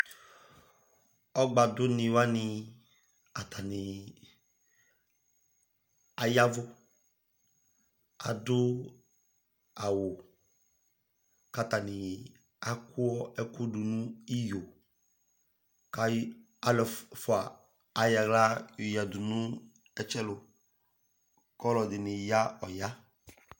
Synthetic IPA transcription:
ɔ˦ɡ͡ba˨dʊ˦nĩ˨wa˦nĩ˨ | a˨t̪ʰa˨ni˨ | a˨ja˦vʊ˦ | a˨do˦ | a˨wo˨ | ka˦ta˨nɪ˨ | a˦kʰʊ˦ɔ˦ɛ˦kʊ˦dʊ˨nũ˦i˦jo˨ | ka˦ | a˨lɔ˨fʊ˨aː˨ | ja˨ɡla˦jja˨dʊ˨nʊ̃˦ | ɛ˨t͡ʃɛ˦lʊ˨ | kɔ˦lɔ˨dɪ˨nɪ˨ja˦ɔ˨ja˦

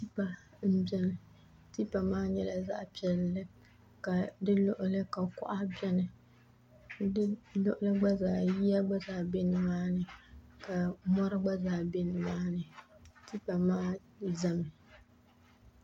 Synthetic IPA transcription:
ti˦pa˨ | m̩˦bɛ˦nɨ˨ | ti˦pa˨maː˦ɲɛ˦la˨za̰˦ʔpi˨ɛ˨lːɨ˦ | ka˨dɨ˦lʊ˦ʔʊ˦lɨ˦ka˨kʊ̰˦ʔa˦bɛ˦nɨ˨ | dlʊ˦ʔʊ˦lɨ˦ɡ͡ba˦zaː˨ji˦ja˦ɡ͡ba˦zaː˨be˦nɨ˨maː˦nɨ˨ka˨mɔ˦ɾɨ˦ɡ͡ba˦zaː˨be˦nɨ˨maː˦nɨ˨ti˦pa˨maː˦ | za˦mɨ˨

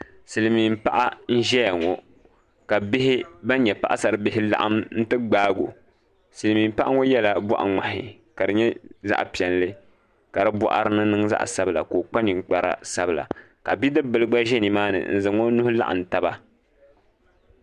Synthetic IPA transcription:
sɨ˨lɨ˨mi˨m˦pa˦ʔa˦n̩˦ʒɛ˦ja˨ŋo˨ | ka˨bɪ˦ɦɪ˦ba˦ɲɛ˨pa˦ʔa˦sa˨ɾɨ˨bɪ˦ɦɪ˦la̰˦ʔa˦mn̩˦tɨ˦ɡ͡baː˦ɡo̰˨ | sɨ˨lɨ˨mi˨m˦pa˦ʔa˦ŋo˦jɛ˦la˨bɔ̰˦ʔa̰˨ŋ͡ma˨hɪ̰˨ | ka˨dɨ˨ɲɛ˦za̰˦ʔpi˨ɛ˨nlɨ˦ | ka˨ɾɨ˦bɔ̰˦ʔa̰˨ɾɨ˦nɨ˦nɨ˦ŋza̰˦ʔsa˦bɨ˨la̰˨koː˨k͡pa˦ni˨ŋk͡pa˨ɾa̰˦sa˦bɨ˨la̰˨ | ka˨bi˦dɨ˦bɨ˦lɨ˦ɡ͡ba˦ʒɛ˦ni˨maː˦nɨ̰˨n̩̰˨zɨ˨ŋo˦nʊ˦hʊ˦la̰˦ʔa̰˨n˨ta˨ba˦

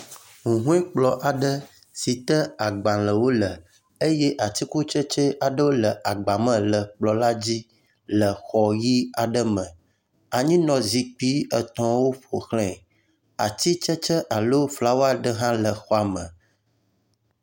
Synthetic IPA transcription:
ŋũ˨ɦũ˦ɛ˦k͡plɔ˦ʔa˨ɖə˦ | si˨t̪ə˦a˨ɡ͡bã˨lə˨wo˦lə˨ | e˦jɛ˦ʔa˨t̪i˦ku˦t͡ʃə˦t͡ʃə˦ʔa˨ɖə˦wo˦lə˨ʔa˨ɡ͡ba˨mə̃˦lə˨k͡plɔ˨la˦d͡ʑi˦ | lə˨xɔ˨ji˦a˨ɖə˦mə̃˨ | a˨ɲĩ˦nɔ̃˨zi˨k͡pi˦ə˨t̪ɔ̃˨wo˦ɸo˨xlɛ̃˦˨ | a̰˨t̪i˦t͡ʃə˦t͡ʃə˦ʔa˨lo˦fla˨wo˦a˨ɖə˦ɦã˦lə˨xɔ˦a˨mə̰̃˨

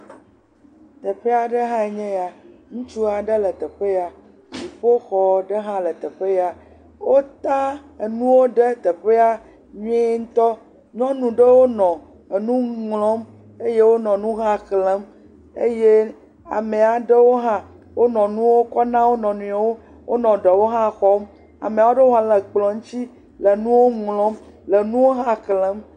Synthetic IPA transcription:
t̪e˨ɸe˦a˨ɖe˦ɦã˦e˨ɲɛ̃˦ja˨ŋũ˦t͡ʃu˦a˨ɖe˦lə˨t̪ɛ˨ɸe˦ja˨ | nĩ˨ɸo˦xɔ˨ɖə˦ɦã˦lə˨t̪ɛ˨ɸe˦ja˨ | wo˦t̪a˦e˨nũ˦wo˦ɖe˦t̪e˨ɸe˦a˦ | ɲũ˦e˦ŋ̩˦t̪ɔ˦ | ɲɔ̃˦nũ˨ɖe˦wo˦nɔ̃˨ | e˨nũ˦ŋlɔ̃˦m | e˦je˦wo˦nɔ̃˨nũ˦ɦã˦klɛ̃˨˦m | ḛ˦je˦ | a̰˨mẽ˨a˨ɖe˦wo˦ɦã˦ | wo˦nɔ̃˨nũ˦wo˦kɔ˦nã˦wo˦nɔ̃˨nũ˨a˨wo˦ | wo̰˦nɔ̃˨ɖe˨wo˦ɦã˦˨xɔ˦m | a̰˨me˨a˨wo˦ɖe˦o˦ɦã˦le˨k͡plɔ̃˨ŋ˦t͡ɕi˦ | le˨nũ˦wo˦ŋlɔ̃˦m | le˨nũ˦wo˦ɦã˦klə̃˨˦m

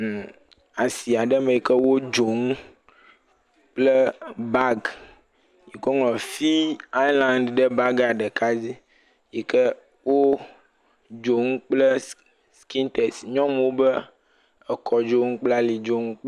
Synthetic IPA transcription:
m˨ | a˨si˨a˨ɖə˦me˨jɛ˨kə˦wo˦d͡ʒo˨ŋ˦ | k͡plə˦ba˦ɡ | ji˨kɔ˦ŋlɔ̃˨fi˦a˦jlã˦nɖɖə˦ba˦ɡa˨ɖɛ˨ka˦d͡ʑi˦ | ji˨kɛ˦ | wo˦ | d͡ʒo˨ŋ˦k͡plə˦ | ski˦nt̪ɛ˨sɲɔ̃˦m˦wo˦bə˦ | ɛ˨kʰɔ˨d͡ʒo˦ŋũ˦k͡pla˦li˨d͡ʒo˦ŋũ˦k͡p

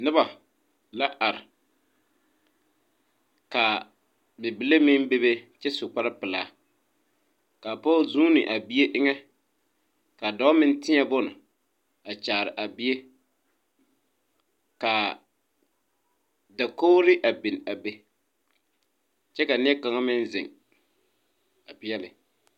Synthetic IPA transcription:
nɨ˦ba˨ | la˦ʔa˨ɾɪ̰˨ | ka˨ | bɛ˨bi˨le˦mɪ˦n˦be˦be˦t͡ʃɛ˦sʊ˨k͡pa˦ɾɪ˦pɪ˨la̰ː˨˦ | ka˨pɔ˦zuː˦nɪ̰˨ʔa˨bi˦e˦ʔɪ˦ŋɛ˦ | ka˨dɔ˦mɪ˦n˦tɪ˦ɲɛ˨bʊ˦nɪ˨ | a˨t͡ʃaː˨ɾɪ˨ʔa˨bi˦e˦ | ka˨ | da˨koː˦ɾɪ˦ʔa˨bi˨n˨a˨be˦ | t͡ʃɛ˦ka˨nɪ˦ɛ˦ka˨ŋa˦mɪ˦n˦zɪ̰˨ŋ | a˨pɪ˦jɛ˦lɪ˨

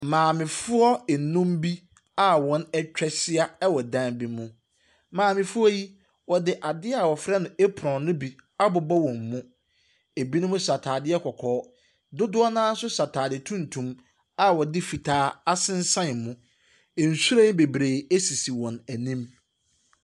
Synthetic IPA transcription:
mãː˨mɪ̃˨fʊ˦ɔ˦ɛ˨nũ˦mbi˦ | a˦˨wɔ̃˨nɛ˦t͡ɕᶣɛ˦sɪ˦a˦ɛ˦wɔ˨dã˦nbi˦mʊ̃˦ | mãː˨mɪ̃˨fʊ˦ɔ˦ji˦ | wɔ˨dɪ˨ʔa˨dɪ˦a˨wɔ˨fɾɛ˦nʊ̃˨e˦pʰɔ̃˨nʊ̃˦bi˨a˦bʊ˨bɔ˦wɔ̃˨mːũ˦ | e˨bi˦nʊ̃˦mʊ̃˦sa˨tʰaː˨dɪ˦ɛ˦kʰɔ˨kʰɔː˨˦ | dʊ˦dʊ˦ɔ˦nãː˦n̩˦sʊ˦sa˨tʰaː˨dɪ˨tʰũ˦n˨tʰũ˨m | a˨wɔ˨dɪ˦fi˨tʰaː˦a˦sɪ̃˦n̩˦sã˦n˨mʊ̃˦˨ | n̩˨su˦ɾã˦n˦be˨bɾe˨e˦si˨si˨wɔ̃˨næ˨nĩ˦m

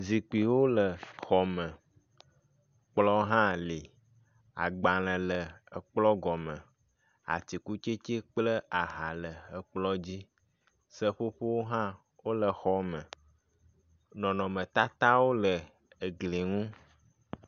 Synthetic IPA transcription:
zi˨k͡pi˨wo˦lə˨xɔ˨mə̃˨ | k͡plɔ˦ɦã˦li˨ | a̰˨ɡ͡ba˨lə̃˨lə˨ə˨k͡plɔ˦ɡɔ˨mə̃˨ | a̰˨ti˨ku˦t͡ʃe˦t͡ʃe˦k͡plə˦a˨ɦa˨lə˨ə˨k͡plɔ˦d͡ʑi˦ | sə˦ɸo˦ɸo˦wo˦ɦã˦ | wo˦lə˨xɔ˦mə̃˨ | nɔ̃˨nɔ̃˨mə̃˨t̪a˦t̪a˦wo˦lə˨ | ə˨ɡli˨ŋũ˦

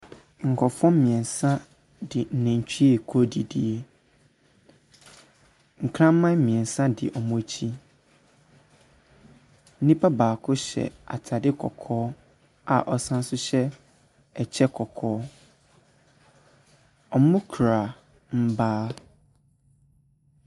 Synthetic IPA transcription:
ŋ̩˨kʰɔ˨fɔ̃˦m˦mĩ˨ɛ̃˨n˨sã˦ | dɪ˨n̩˨nẽ˨ɲ̩˨t͡ɕᶣʰi˦e˨kʰɔ˦di˦di˦e˦ | ŋ̩˨kʰɾã˦m˦mã˦mĩ˨ɛ̃˨n˨sã˦dɪ̰˨ʔɔ˨mʊ̃˦˨t͡ɕʰi˦ | n̩˦nĩ˦pʰa˦baː˨kʰʊ˦ɕɛ̰˨a̰˨tʰa˨dɪ˦kʰɔ̰˨kʰɔː˦ | a˨ʔɔ˨sã˦n̩˦sʊ˦ɕɛ˦ | ɛ˨t͡ɕʰɛ˦kʰɔ˨kʰɔː˦ | ɔ˨mʊ̃˦kʰɾa˨ | m̩˦baː˦

